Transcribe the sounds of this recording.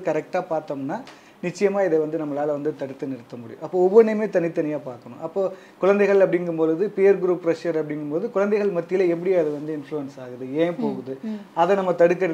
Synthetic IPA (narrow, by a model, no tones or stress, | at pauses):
ɯkɐɾɛk̚ʈaːpaːɾt̪ɐːmnːaː | nɪt͡ʃːɐjɐmaːɪðɛʋɐnd̪ɯnɐmːɐlaːlɐʋɐnd̪ɯt̪ɐɽɯt̪ːɯnɪɽɯt̪ːɐmʊɽɪ̰jʊ̰̃ʔɐpːoːɔʋːɐɳːemeːt̪ɐnɪt̪ːɐnɪjaːpaːɾkɐɳʊ̰̃ʔɐpːoː | kʊɻɐnd̪ɛɪɣɐɭɐp̬ːɐɽɪŋɡɯmpoːlɯðɯpijɐɾɡɾuːpːɾɐʂɐɾɐpːɐɽɪŋɡɯmpoːðɯkʊɻɐnd̪ɛɪɣɐɭmɐt̪ːɪjɪlɐɛp̬ːɐɽɪeɐðɯʋɐnd̪ɯɪnfluʋɐnsaːɣɯðɯẽːpoːɣɯðɯɐðɛnɐmːɐt̪ɐɽɯkːɐɾɐ